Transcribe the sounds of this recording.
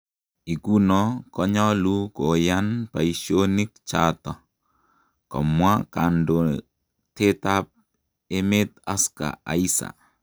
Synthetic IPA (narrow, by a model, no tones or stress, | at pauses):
iɡunɔkɔɲɔlukojanpaiʃonik̚t͡ʃatɔ | kɔ̰mwakando | tetap̚ | emet̪aska̰a̰isa̰